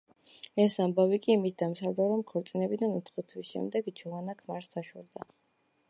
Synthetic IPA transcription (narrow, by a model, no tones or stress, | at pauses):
ɛsambavikʼiːmit̪̚ʰd̪amsald̪aɾɔmkʰɔɾt̪sʼinɛbid̪anut̪ʰχɔt̪ʰwisʃɛ̰md̪ɛɡd͡ʒɔanakʰmaɾsd̪aʃɛɾd̪a̰